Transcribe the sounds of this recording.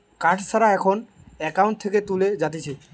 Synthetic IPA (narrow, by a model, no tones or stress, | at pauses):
kãʈʰsʰaɾaɛkʰon | ɛkawɳʈ̚t̪ʰeket̪uled͡ʑat̪et͡ɕʰi